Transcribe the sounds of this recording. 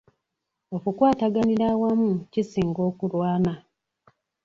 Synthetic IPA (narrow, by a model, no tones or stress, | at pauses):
o̞kukwaːtaɡaniɾawamucisiːŋɡo̞ːkulwaːna